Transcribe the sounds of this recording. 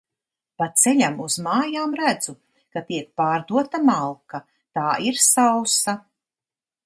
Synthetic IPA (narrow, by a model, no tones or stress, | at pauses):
pat̪sɛʎʲamuz̥maːjaːmɾæd̪zu | kat̪iɛk̚paːɾd̪uɔt̪amalˠka | t̪aːʔiɾsawsa